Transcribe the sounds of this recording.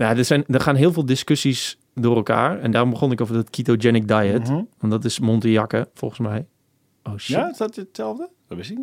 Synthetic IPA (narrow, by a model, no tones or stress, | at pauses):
jadəsɛjndərχaːnɦɪəlˠvɪːlˠdɪskøsis | dʊːrɛlˠka̰ːrɛndaːrɔmbəχonɪkovərdɔtkʰitod͡ʒɛnɪk̚dajətʋɔntdɔtɪsmontəjakəfɔ̰lˠχənsmɛj | ʔoʃɪsdɔtətsɛlˠvdəʋɔɪsi